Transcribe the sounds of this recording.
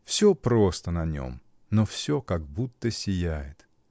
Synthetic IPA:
fsʲopɾost̪ənɐnʲo̰m | nofsʲokaɡ̚but̪ːəsʲɪjæjɪt̪

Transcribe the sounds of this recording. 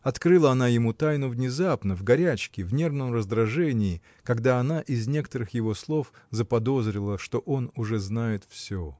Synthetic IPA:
ɐt̪kɾɨlˠəɐnajɪmut̪ajnʊvnʲɪzapnəvɡɐɾʲæt͡ɕkʲɪvnʲe̞rvnəmrəzd̪ɾɐʐɛnʲɪː | kɐɡd̪aɐnaʔɪzʲnʲe̞kə̥t̪əɾɨxjɪvo̞slˠo̞fzəpɐd̪o̞zɾʲɪlˠəʂt̪o̞ʔo̞nʊʐɛznajɪt̪fsʲɵ

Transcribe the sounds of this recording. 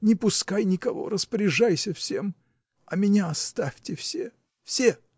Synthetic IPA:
nʲɪpʊskajnʲɪkɐvo̞̰rəspəɾʲɪʐajsʲəfsʲe̞m | ɐmʲɪnʲaɐst̪afʲtʲɪfsʲe | fsʲe

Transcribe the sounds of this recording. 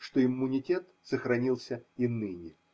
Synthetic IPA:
ʂt̪oɪmːʊnʲɪtʲe̞t̪ | səxɾɐnʲilˠsʲəinɨnʲɪ

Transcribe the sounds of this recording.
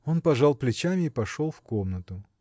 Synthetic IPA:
o̞npɐʐaɑlˠplʲɪt͡ɕamʲɪːpɐʂo̞lˠfko̞mnət̪ʊ

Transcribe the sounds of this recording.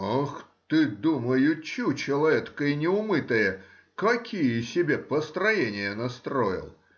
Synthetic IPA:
axt̪ɨd̪uməjʊt͡ɕːut͡ɕɪlˠɐvʲet̪kənʲɪʊmɨt̪əjə | kɐkʲʰijəsʲɪbʲepəst̪ɾɐjenʲɪjənɐst̪ɾo̞̰jɪ̰lˠ

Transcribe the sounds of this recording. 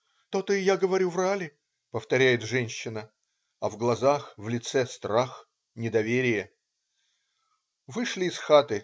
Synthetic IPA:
t̪ot̪ɨɪjaɡəvɐɾʲuvralʲɪ | pəft̪ɐɾʲæjɪt̪ʐɛnʲɕːɪnə | ɐvɡlˠɐzaxvlʲɪt̪sɛst̪ɾax | nʲɪd̪ɐvʲeɾʲɪjə | vɨʂlʲɪːsxat̪ɨ

